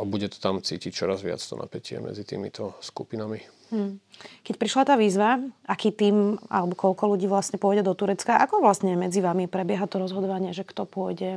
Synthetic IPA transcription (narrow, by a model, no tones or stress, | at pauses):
abuɟɛt̪ɔ̥t̪amt͡siːcict͡ʃɔɾazʋɪa̰t͡st̪ɔna̰pɛcɪɛ̰mɛ̰d͡zit̪ḭːmḭt̪ɔskupinami | m̩kɛc̚pɾiʃlat̪aːʋiːzʋaʔakiːt̪iːma̰lɛbɔkɔlkɔluɟiːʋlasɲɛpʊɔjɟɛd̪ɔt̪uɾɛt͡skaʔakɔʋlasɲɛmɛd͡ziʋamipɾɛbɪɛɦat̪ɔɾɔzɦɔd̪ɔʋaɲɪɛʒɛkt̪ɔpʊɔjɟɛ